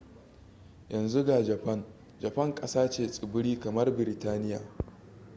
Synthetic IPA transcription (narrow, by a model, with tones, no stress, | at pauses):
jɐ˨nzu˦ɡaː˨d͡ʒɐ˨pɐ˦˨n | d͡ʒɐ˨pɐ˦˨ŋkʼɐ˦saː˦t͡ʃeː˨sʼɪ˨bʊ˦ɽiː˦kɐ˨mɐ˦rbɪ˨ɾɪ˨taː˦nɪ˦ja̰ː˨